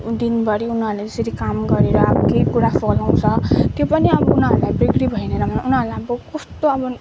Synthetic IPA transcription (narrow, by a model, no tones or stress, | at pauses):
d̪inbʌɾiunɦʌɾuled͡zʌsʌɾikamɡʌɾeɾʌːbʌkejkuɾapʰolaw̃t͡sʰʌt̪jopʌniʌbʌunʌɾulajbriɡɾibʱʌjneɾʌmanunɦʌɾulajʌbʌkost̪oʌbʌ